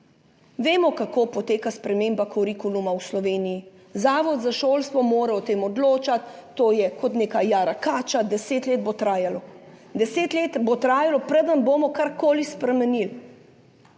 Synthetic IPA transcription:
ʋeːmɔkakoːpɔt̪eːkaspɾɛmeːmbakɔɾikulumawslɔʋeːniji | zaːʋɔd̪zaʃoːlst̪ʋɔmoːɾɛɔt̪eːmɔd̪loːt͡ʃat̪ːoːjɛkɔt̪neːkajaːɾakaːt͡ʃad̪ɛseːt̪leːd̪̚bot̪ɾaːjalɔd̪ɛseːt̪leːt̪bot̪ɾaːjalɔpɾəd̪ənboːmɔkaɾkoːlispɾɛmɛnil

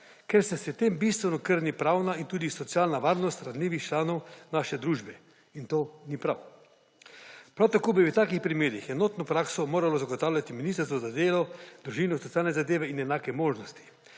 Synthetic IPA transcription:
kɛɾsɛsɛt̪embist̪ʋɛnɔkəɾnipɾawnaint̪uːd̪isɔt̪sijaːlnaʋaːɾnɔst̪ɾazliːʋixt͡ʃlaːnɔwnaːʃɛd̪ɾuːʒbɛ | int̪oːnipɾa̰w | pɾawt̪akoːbit̪aːkixpɾimeːɾixɛnot̪nɔpɾaːksɔmoːɾalɔzaɡɔt̪awlʲjat̪iminist̪əɾst̪ʋɔzad̪eːlɔd̪̥ɾuʒiːnɔsɔt̪ijaːlnɛzad̪eːʋɛinɛnaːkɛmoːʒnɔst̪i̥

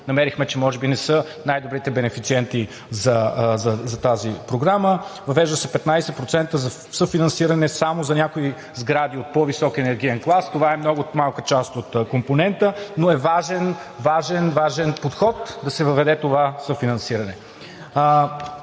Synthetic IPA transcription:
nɐmɛɾixmɛt͡ʃɛmɔʒɛbinɛsɤ | najd̪obɾit̪ɛbɛnɛfit̪siɛnt̪i | zɐzɐzɐt̪azipɾoɡɾaməvɐvɛʒd̪əsɛpɛt̪najsɛpɾot̪sɛnt̪əzɐ | səfinɐnsiɾɐnɛsamozɐnʲakoi | zɡɾad̪iot̪̚pɔvisɔkɛnɛɾɡiɛnklˠast̪ovaɛmnɔɡʊmalˠkət͡ʃast̪ot̪komponɛnt̪ənoɛvaʒɛn | vaʒɛnvaʒɛnpot̪xɔt̪d̪ɐsɛvəvɛd̪ɛt̪ovasəfinɐ̃nsiɾɐnɛ

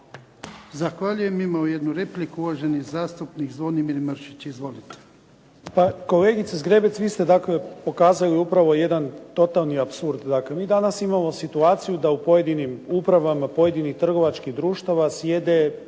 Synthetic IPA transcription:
zaxʋaʎujemimaojed̪nuɾeplikuuʋaʒenizaːst̪upniɡzʋonimiɾməɾʃit͡ɕizʋo̞lit̪e̥ | pako̞le̞ːɡit̪sezɡɾe̞bet̪sʋist̪e̞d̪akle̞po̞kaːzajuiupɾaʋo̞je̞d̪ant̪o̞t̪alˠniapsuɾd̪d̪akle̞miːd̪anasimamo̞sit̪uaːt̪sijud̪aupo̞je̞d̪inimupɾaʋamapo̞je̞d̪inixt̪r̩ɡo̞ʋat͡ʃkiɣd̪ɾuːʃt̪aʋasje̞d̪e̞

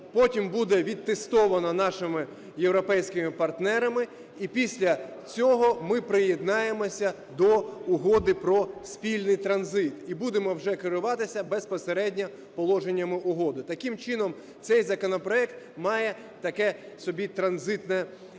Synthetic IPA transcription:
pɔtʲimbud̪ɛʋʲid̪̚t̪ːest̪ɔʋɐnɐnɑʃɪmɪ | jewɾɔpɛjsʲkɪmɪpɐrt̪nɛɾɐmɪ | ipʲisʲlʲɐt͡sʲɔɦɔmɪpɾɪjed̪nɑjemɔsʲɐ | d̪ɔʊɦɔd̪ɪpɾɔsʲpʲilʲnɪjt̪ɾɐnzɪt̪ibud̪emɔwʒɛkɪɾʊʋɑt̪ɪsʲɐbɛspɔseɾɛdʲnʲɐ | pɔlˠɔʒenʲːɐmɪʔʊɦɔd̪ɪt̪ɐkɪmt͡ʃɪnɔm | t̪sɛjzɐkɔnɔpɾɔɛkt̪ | mɑjɛ | t̪ɐkɛ | sɔbʲit̪ɾɐnzɪt̪nɛ

